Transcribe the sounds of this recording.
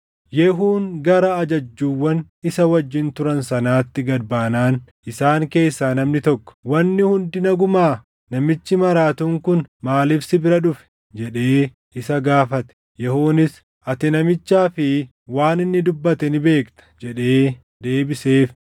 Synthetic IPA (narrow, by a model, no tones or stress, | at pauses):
jɛɦuːnɡɐɾɐːd͡ʒɐd͡ʒːuːwːɐn | ɪsɐwɐd͡ʒːɪnt̪ʊɾɐnsɐnaːt̪ːɪɡɐd̪baːnaːn | ɪsaːŋke̞ːsːaːnɐmnɪt̪ɔkːɔ̥wɐnːɪhʊnd̪ɪnɐɡʊmaː | nɐmɪt͡ʃːɪmɐɾaːt̪uːŋkʊnmaːlɪfsɪbɪɾɐᶑʊfɛ̥ | d͡ʒɛᶑe̞ː | ɪsɐɡaːfɐt̪ɛ̥ | jɛhoːnɪs | ʔɐt̪ɪnɐmɪt͡ʃːaːfɪ | waːnɪnːɪd̪ʊbːɐt̪ɛnɪbe̞ːkt̪ɐ̥d͡ʒɛᶑe̞ː | d̪e̞ːbɪseːf